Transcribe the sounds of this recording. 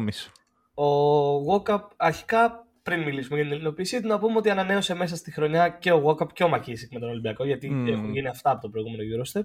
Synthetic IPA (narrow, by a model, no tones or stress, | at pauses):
mis | o̞ɣo̞kɐp̚ɐɾçi̥kɐ | pɾinmilisumeʝɐt̪inelino̞piːsiit̪unɐpumeo̞t̪̬iɐnɐne̞o̞se̞me̞sɐst̪ixɾo̞ɲɐce̞o̞ɣo̞kɐpceo̞mɐcisikmet̪o̞no̞limbiɐko̞ʝɐt̪iexunʝiniɐft̪ɐːpo̞t̪o̞pɾo̞iɣume̞noʝuɾost̪ep